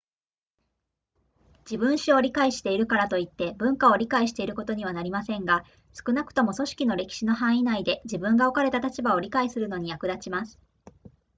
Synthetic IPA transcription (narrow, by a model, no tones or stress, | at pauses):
d͡ʑ̥ibɯ̟̃ɰ̃ɕio̞ɾʲikaiɕi̥t̪e̞iɾɯ̟kaɾat̪o̞it̪ːe̞bɯ̟̃ŋkao̞ɾʲikaiɕi̥t̪e̞iɾɯ̟ko̞t̪o̞ɲ̟iβ̞anaɾʲimasẽ̞ŋɡa | sɨ̥kɯ̟nakɯ̟̥t̪o̞mo̞so̞ɕi̥kʲino̞ɾe̞kʲi̥ɕino̞ɦãɰ̃inaid̪e̞d͡ʑibɯ̟̃ŋɡao̞kaɾe̞t̪at̪at͡ɕibao̞ɾʲikaisɨɾɯ̟no̞ɲ̟ijakɯ̟d̪at͡ɕimasɨ̥